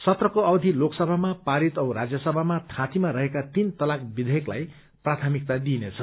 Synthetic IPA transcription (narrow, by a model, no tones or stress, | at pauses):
sʌt̪rʌkoʌwd̪ʱiloksʌbʱamapaɾit̪ʌwɾad͡zjʌsʌbʱamat̪ʰãt̪imaɾʌɦekat̪int̪ʌlak̚bid̪ʱejekla̰j | prat̪ʰamik̚t̪ad̪inet͡sʰʌ